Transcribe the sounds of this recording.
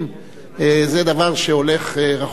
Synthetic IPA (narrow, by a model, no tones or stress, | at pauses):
m | ezed̪avaʁʃeo̞le̞χeʁaχ